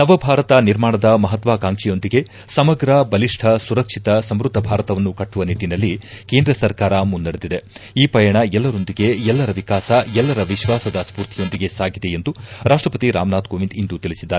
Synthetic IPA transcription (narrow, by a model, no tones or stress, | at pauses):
nɐʋɐbʱaːɾɐt̪ɐniɾmaːɳɐd̪ɐmɐɦɐt̪ʋaːkaːŋʂijo̞nd̪iɡe̞ | sɐmɐɡɾɐbɐliʂʈʰɐsuɾɐkʂit̪ɐsɐmɾud̪ʱːɐbʱaːɾɐt̪ɐʋɐnːukɐʈːuʋɐnit̪inɐlːikeːnd̪ɾɐsɐɾkaːɾɐmund̪ːɐɽed̪id̪e̞iːpɐjɐɳɐɛlːɐɾo̞nd̪iɡe̞ɛlːɐɾɐʋikaːsɐɛlːɐɾɐʋiʃʋaːsɐd̪ɐspuːɾt̪ʰijo̞nd̪iɡe̞saːɡid̪e̞jend̪uɾaːʂʈɾɐpɐt̪iɾa̰ːmnaːt̪koːʋind̪ind̪ut̪iɭisid̪ːaːɾe